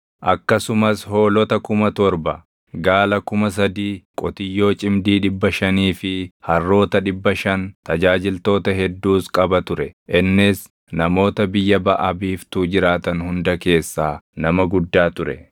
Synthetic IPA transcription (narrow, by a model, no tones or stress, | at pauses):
ʔɐkːɐsʊmɐsho̞ːlɔt̪ɐkʊmɐt̪ɔɾbɐ | ɡaːlɐkʊmɐs̬ɐd̪iːkʼɔt̪ɪjːo̞ːt͡ʃʼɪmd̪iːᶑɪbːɐʃɐniːfɪhɐrːo̞ːt̪ɐᶑɪbːɐʃɐnt̪ɐd͡ʒaːd͡ʒɪlt̪o̞ːt̪ɐɦɛd̪ːuːskʼɐbɐt̪ʊɾɛʔɪnːɪs | nɐmo̞ːt̪ɐbɪjːɐbɐʔɐbiːft̪uːd͡ʒɪɾaːt̪ɐnhʊnd̪ɐke̞ːsːaːnɐmɐɡʊd̪ːaːt̪ʊɾɛ